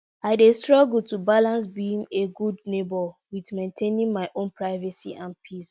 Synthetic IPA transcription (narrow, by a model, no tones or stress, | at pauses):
aɪdestɹɔɡultubalãns̬bĩŋeɡudnebɔwiðmẽntʰẽnĩŋmaɪʔõnpʰɹaɪvɛsḭʔãnpʰis